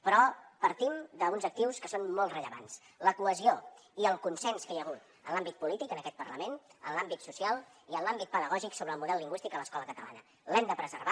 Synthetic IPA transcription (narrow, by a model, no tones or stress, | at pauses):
pɾɔpəɾt̪imd̪əunzək̚t̪iwskəsonmolˠtrəʎəβa̰ns | ləkuəzio | iəlˠkunsɛnskəjəɣ̞ut̪ | ə̰nlambit̪̚pulit̪ikənəkɛt̪pəɾləmenə̰nlambit̪susialˠiənlambit̪̚pəðəɣɔʒiksoβɾəːlˠmuðɛlːiŋɡwist̪ik̪ələskɔləkət̪əla̰nə | lɛmd̪əpɾəzəɾβa